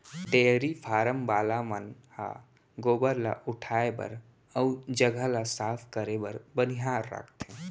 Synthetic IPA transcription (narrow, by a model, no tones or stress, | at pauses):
ɖ̪eːɦɾipʰaːɾəmbaːlamənha̰ | ɡoːbəɾla̰ʔʊʈʰaːebə̰ɾ | əud͡ʒəɡʱalasaːpʰkəɾebəɾbəniɦaːɾːə̰kʰt̪ɦẽ